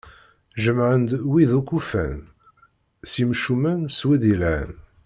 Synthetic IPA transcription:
ʒəmʕənd̪wiðukːufæ̰n | simʃumənswiðilæn

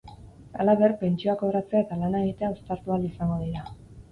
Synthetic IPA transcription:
alaβe̞rpe̞nt͡ʃioako̞βɾat͡seae̞t̪alanaeɣit̪e̞aost̪aɾt̪ualisaŋɡo̞ðiɾa

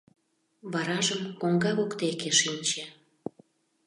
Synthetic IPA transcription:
βɑɾɑʒəmkoŋɡɑɣokt̪ekeʃinʲt͡ɕe

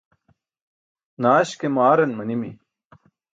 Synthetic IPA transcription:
naːɕkemaːɾɐnmɐnimḭ

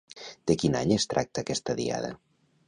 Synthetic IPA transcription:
d̪̥ekinaɲest̪ɾʔak̚t̪aːkɛst̪aðia̰ð̞a̰

